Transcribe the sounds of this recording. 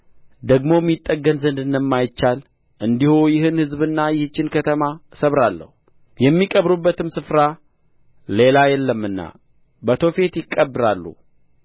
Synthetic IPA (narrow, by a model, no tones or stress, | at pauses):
d̪əɡmo̞mːit̪ʼːəɡːənzənd̪ɨndəmːajɪt͡ʃːal | ʔɨnd̪ihujɪhɨnhɨzbɨnːajɪhɨt͡ʃːɪnkʰət̪ʰəmasəβɾalːə̰hu | jɛmːikʼəβɾubːət̪ɨmsɨfɾa | le̞lajɛlːəmːɨnːa̰ | bət̪ʰo̞fe̞t̪jɪkʼːəbːɨɾalːṵ